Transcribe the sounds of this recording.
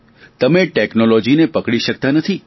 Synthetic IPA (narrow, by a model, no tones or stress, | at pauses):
t̪əmeʈeknolod͡ʒinepəkɽiʃək̚t̪anət̪ʰi